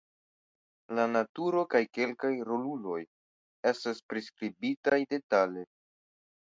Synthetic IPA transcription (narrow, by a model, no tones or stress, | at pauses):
lanatuɾo̞kajke̞lkajɾo̞lulo̞j | e̞staspɾiskɾibitajde̞tale